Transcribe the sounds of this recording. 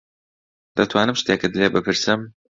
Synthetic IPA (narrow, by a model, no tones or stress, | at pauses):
d̪ɐt̪ʰwaːnɨmʃt̪eːkɨd̪lebɨpʰɨɾsɨm